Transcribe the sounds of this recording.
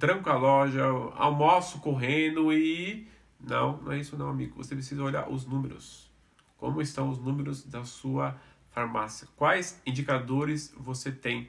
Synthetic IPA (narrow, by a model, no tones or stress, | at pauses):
t̪ɾɐ̃ŋkʊɐlɔʒɐa̰wmosʊkoɦẽnʊɪ | nɐ̰̃w̃nɐ̃w̃ɛisʊnɐ̃w̃amiɡʊvo̰sepɾesizɐoʎa̰ɾʔʊ̰znũmeɾʊ̰s | kõ̰mʊɪst̪ɐ̃w̃ʊznũmeɾʊzd̪ɐsuɐfaɾmasiɐkwajzĩd͡ʒikad̪oɾɪsvoset̪ẽj̃